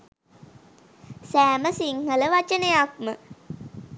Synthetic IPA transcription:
sæːməsiŋhələʋat͡ʃənejakmə

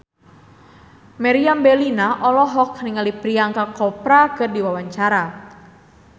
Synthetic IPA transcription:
maɾiambɛlinaʔɔlɔɦɔk̚niŋalipɾiaŋkarkɔpɾakɨrdiwawaɲt͡ʃaɾa

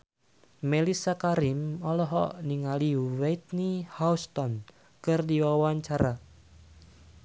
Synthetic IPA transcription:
melisakaɾimɔlɔɦɔ̰ʔniŋaliwejt̪̚nihaust̪ɔn | kɨrdiwawaɲt͡ʃaɾa

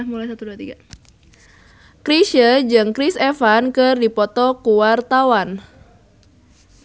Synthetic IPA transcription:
ahmulajsat̪uduat̪iɡa | kɾiʃəd͡ʒɨŋkɾisefankɨrdipɔt̪ɔkuwart̪awan

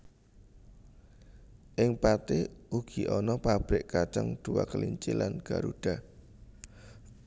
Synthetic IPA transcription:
ʔɪŋpat̪eʔuɡ̥i̤ʔɔnɔpab̥ɾɪʔkat͡ʃaŋd̪̥uwa̰kəliɲt͡ʃɪlanɡ̥a̤ɾuɖ̥a̤

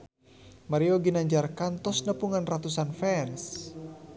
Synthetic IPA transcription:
maɾioɡinaɲd͡ʒarkant̪ɔsnəpuŋanrat̪usanfɛns

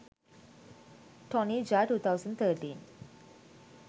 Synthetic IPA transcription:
ʈʰɔnid͡ʑaʈuːt̪ʰawzənɖt̪ʰəʈḭːn

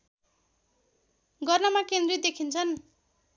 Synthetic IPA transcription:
ɡʌrnʌmakend̪rid̪ekʰint͡sʰʌn

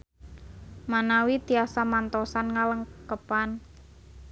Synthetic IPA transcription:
manawit̪iasamant̪ɔsanŋaləŋkəpan

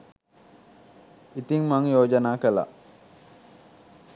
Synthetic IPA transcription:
it̪iŋmaŋjoːd͡ʒanaːkəla̰ʔ

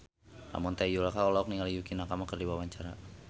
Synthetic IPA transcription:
ʔa̰mɔnt̪ajd͡ʒulakaɔlaɔk̚niŋalijukinakamakərdiwawaɲt͡ʃaɾa

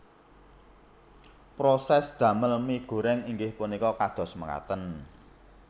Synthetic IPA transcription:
pɾosɛsd̪̥ä̤məlmiɡ̥o̤ɾɛŋiŋɡɪhpunikɔkad̪̥ɔ̤sməŋa̰t̪ən

